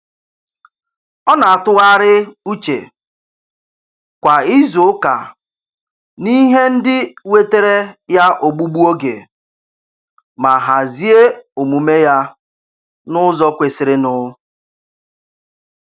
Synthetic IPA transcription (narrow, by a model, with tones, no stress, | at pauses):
ɔ˦na˨a˨tʊ˦ɣa˦ɾɪ˦u˦t͡ʃḛ˨ | kʷa˨i˦zʊ˨ʊ˦ka̰˨ | ni˦ɦe˦n̩˦dɪ˦we˦te˦ɾe˦ja˦ʔo˨ɡ͡bu˦ɡ͡bu˦o˦ɡḛ˨ | ma˨ɦa˨zi˦e˦o˨mu˨me˦ja˦ | nʊ˦zɔ˦kʷe˨sɪ˨ɾɪ˦nʊ˦